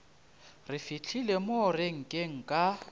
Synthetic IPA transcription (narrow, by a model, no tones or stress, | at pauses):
rɪfit͡ɬʰilemoreŋ̩kʼeŋ̩kʼa